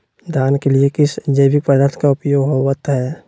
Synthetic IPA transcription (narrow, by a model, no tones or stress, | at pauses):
d̪ʱaːnkeliekɪsd͡ʒəjbɪk̚pəd̪ət̪ʰkaʊpjoːɡɦowət̪ɦɛː